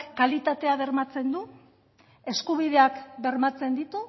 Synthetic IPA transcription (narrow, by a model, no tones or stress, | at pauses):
kalit̪at̪e̞aβe̞rmat͡se̞nd̪u | e̞skuβ̞ið̞e̞akbe̞ɾmat͡se̞nd̪it̪u